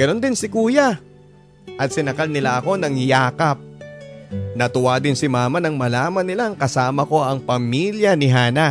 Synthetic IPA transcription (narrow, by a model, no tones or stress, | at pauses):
ɡ̥ɐno̞nd̪ɪnsɪkuːjɐ | ʔɐt̪̚sɪnɐkalnɪlaʔɐko̞nɐŋjaːkɐp̚ | nɐt̪ʊwaːd̪ɪnsɪmaːmɐnɐŋmɐlaːmɐnːɪlaŋkɐsaːmɐko̞ʔɐŋpɐmiljɐnɪɦaːnɐ